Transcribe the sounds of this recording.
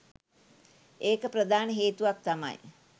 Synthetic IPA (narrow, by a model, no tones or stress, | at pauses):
eːkəpɾəd̪ʱaːnəɦeːt̪uʋak̚t̪ama̰j